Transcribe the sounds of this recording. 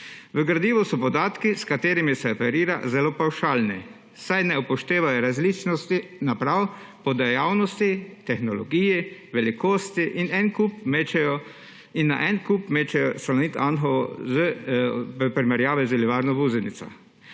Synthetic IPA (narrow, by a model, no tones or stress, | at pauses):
ʋəɡɾad̪iːʋɔsɔpɔd̪aːt̪kiskat̪eːɾimisɛɔpɛɾiːɾa̰zɛlopawʃaːlni | sajnɛupɔʃt̪eːʋajɔɾazliːt͡ʃnɔst̪inapɾawpɔd̪ɛjawnɔst̪it̪ɛxnɔlɔɡiːjiʋɛlikoːst̪iʔinɛnkupmeːt͡ʃɛjɔ | inːa̰ʔɛnkupmeːt͡ʃɛjɔsalɔniːt̪anxɔɔzə | pɾimɛɾjaːʋɛzəliʋaɾnɔbuːzɛnit̪sɔ̰